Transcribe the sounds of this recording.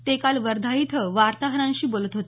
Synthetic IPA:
t̪ekalʋəɾd̪ʱait̪ʰəʋaɾt̪aɦəɾãnɕiːbolət̪ɦot̪e

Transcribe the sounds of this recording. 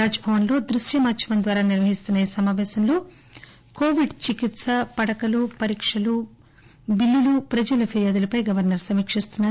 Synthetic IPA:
aːd͡ʒɐbʱɐʋɐnlo̞ːd̪ɾuʃjɐmaːt͡ʃimɐnd̪ʋaːɾaːniɾʋɐɦist̪unːɐisɐmaːʋɛːsɐnloː | koːʋiɖt͡ʃikit̪sɐpɐɽɐkɐlupɐɾiːkʂɐlu | bilːilupɾɐd͡ʒɐlɐpʰiɾijaːd̪ulɐpɐjɡɐʋɐɾnɐɾsɐmiːkʂist̪unːaː

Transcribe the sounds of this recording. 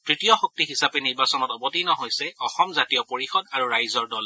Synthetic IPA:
tɹitijɔxɔk̚tiɦisapɛniɹbasɔnɔtɔbɔtinɔɦojsɛɔxɔmzatijɔpoɹixɔdaɹuɹajzɔɹdɔl

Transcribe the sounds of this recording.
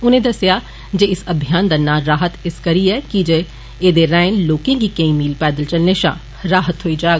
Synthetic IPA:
ʊn̤ẽd̪ɐsja | d͡ʒeːɪsɐbʱijaːnd̪ɐnːaːɾaːɦət̪ɪskɐɾiɛkid͡ʒe | eːd̪eɾaːɪ̃nloːkẽɡikɐ̃ĩmiːlpɛːd̪əlt͡ʃɐlneʃã̰ | ɾaːɦət̪ɦoːid͡ʒaː

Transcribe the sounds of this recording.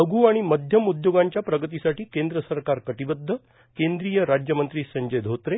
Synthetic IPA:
əɡʱuːaɽ̃iməd̪ʱjəmud̪joɡaɲt͡ɕjapɾəɡət̪isaʈiːkẽnd̪ɾəsəɾkaɾkəʈibəd̪ʱːə | kend̪ɾijəɾad͡ʑjəmənt̪ɾiːsəɲd͡ʑəjd̪ʱot̪ɾe

